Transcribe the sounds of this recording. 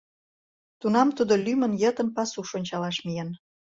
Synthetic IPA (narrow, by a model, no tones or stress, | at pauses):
t̪unɑmt̪ud̪olymə̆njət̪ə̆npɑsuʃonʲt͡ɕɑlɑʃmijen